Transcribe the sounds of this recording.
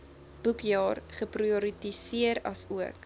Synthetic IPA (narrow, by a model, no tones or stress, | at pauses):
b̥ukjɑːrχəprioɾitisiəɾɐ̰suək